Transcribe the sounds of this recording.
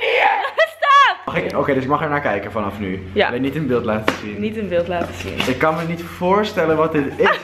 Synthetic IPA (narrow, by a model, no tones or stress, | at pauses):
staχɪkowkejdəsɪk̚mɑχɛɹnaːɹkɛjkənfɑnɑfnyɪk̚nitənbɪːlˠtlaːtəzinnitənbɪlˠtlaːtəzḭnɪkːɑnmənitfoːɹstɛlənʋɔt̚dɪtɪs